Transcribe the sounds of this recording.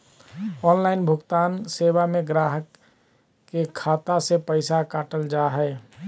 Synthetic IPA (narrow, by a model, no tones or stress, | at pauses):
ɔːnlaːɪnbʱʊɡt̪aːnseːbamẽɡɾaːɦəkː | ekʰaːt̪asepəɪsakaːʈəld͡ʒaːɦɛ